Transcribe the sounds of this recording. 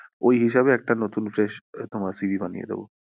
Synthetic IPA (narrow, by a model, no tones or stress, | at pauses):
ojɦiʃabeɛk̚ʈanot̪unfɾeʃt̪omaɾsibʱibanḭjḛd̪ḛbo̰